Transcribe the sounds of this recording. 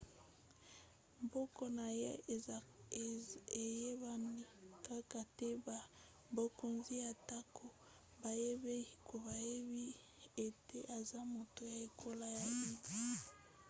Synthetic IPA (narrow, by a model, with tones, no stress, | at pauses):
mbɔ˦kɔ˦na˨je˦˨ | e˨je˦ba˦ni˦ka˦ka˨te˦ba˨ | bo˨ko˨nzi˦ja˨ta˦kʰo˨ | ba˨je˦be˦i˦ko˨ba˨je˦bi˦ | e˨te˦ʔa˨za˦mo˨to˨ja˨e˨kʰo˦la˦ja˨bi˦di˦